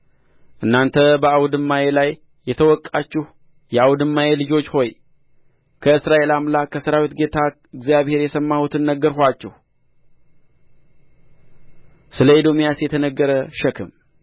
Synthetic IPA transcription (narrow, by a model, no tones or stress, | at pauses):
ʔɨnːant̪ʰəbəawud̪ɨmːaje̞lajː | ɛt̪ʰəwɔkʼːat͡ʃːɪh | jɛawd̪ɨmːaje̞lɨd͡ʒo̞t͡ʃːho̞j | kʰəɨsɾaʔe̞lamlakʰəsəɾawit̪ɡe̞t̪ʰa | ɨɡzijaβhe̞ɾjɛsəmːahut̪ʰɨnːəɡəɾhat͡ʃːɛh | sɨləed̪o̞mijasjɛt̪ʰənəɡːəɾəʃəkʰɨm